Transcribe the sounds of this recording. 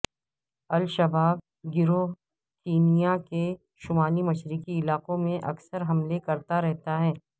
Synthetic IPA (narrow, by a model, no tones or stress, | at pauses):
ɐlʃɐbaːb | ɡɪɾo | kiːnijake | ʃʊmaːlimɐʃɾikiɪlaːqõmẽʔɐ̰ksəɾɦɐmlekɐɾt̪aɾɛɦt̪aɦɛː